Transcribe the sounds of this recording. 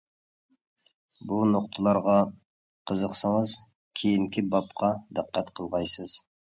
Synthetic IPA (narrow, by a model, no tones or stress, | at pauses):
bunʊqt̪ʰəlˠɑɾʁɑ | qʰəzəqsəɴəz | kʲʰejɪŋkʲɪbɑpqʰɑd̪əqːæt̪qʰəlˠʁɑjsəz̥